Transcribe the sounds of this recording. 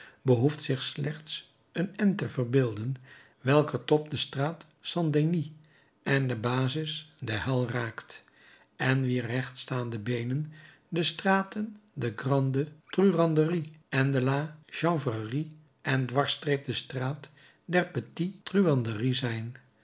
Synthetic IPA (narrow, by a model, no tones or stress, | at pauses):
bəɦuftsɪχslɛχts | ənɛntəvərbɪːlˠdən | ʋɛlˠkətɔp̚dəstraːt | sɑndeni | ʔɛndəbaːzɪsdəɦɛlˠraːkt | ʔɛnʋirɛχtstaːndəbejnən | dəstraːtəndəɡrɑndətryrɑndəriʔɛndəlaːʒɑŋvari | ʔɛndʋɑɹstrejp̚dəstraːt | dɛɹpətitryɑndərizɛjn